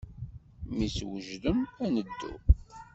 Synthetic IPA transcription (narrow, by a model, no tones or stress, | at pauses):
miswəʒðəmænəd̪ːṵ